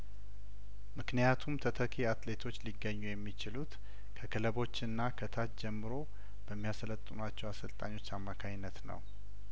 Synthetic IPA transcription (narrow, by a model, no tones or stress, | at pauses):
mɨknijat̪ʰumt̪ʰət̪ʰəkʰeat̪le̞t̪ʰo̞t͡ʃːliɡːəɲːujɛmːit͡ʃɪlut̪ | kʰəkʰələβo̞t͡ʃːɨnːakʰət̪ʰat̪d͡ʒɛmːɨɾo̞ | b̥əmːijasələt̪ʼːɨnuat͡ʃːɛwasəlt̪ʼa̰ɲːo̞t͡ʃːamːakʰaɲnːət̪nə̰w